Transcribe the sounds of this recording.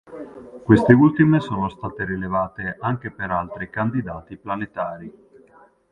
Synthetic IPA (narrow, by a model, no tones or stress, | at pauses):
kwest̪eult̪imesoːnost̪aːt̪eɾilevaːt̪eʔaŋk̟epeɾalt̪ɾikand̪id̪aːt̪iplanet̪aːɾi